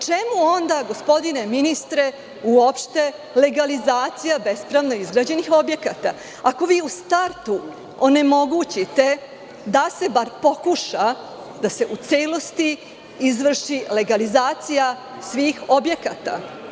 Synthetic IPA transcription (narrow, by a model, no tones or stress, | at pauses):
t͡ʃemuo̞nd̪aɡo̞spo̞d̪ine̞minist̪ɾe̞ | uopʃt̪e̞ | le̞ɡalizaːt̪sijabe̞spɾaʋno̞izɡɾad͡ʑe̞nixo̞bje̞kat̪a | ako̞ʋiːust̪aɾt̪u | one̞mo̞ɡut͡ɕit̪e̞ | d̪ase̞baɾpo̞kuʃa | d̪ase̞ʔut̪seːlˠo̞st̪i | izʋr̩ʃile̞ɡalizaːt̪sija | sʋiːxo̞bje̞kat̪a̰